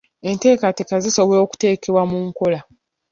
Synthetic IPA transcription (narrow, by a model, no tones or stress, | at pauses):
e̞nte̞ːkatekaziso̞βoo̞ːku̥te̞ːke̞βwamuːŋko̞la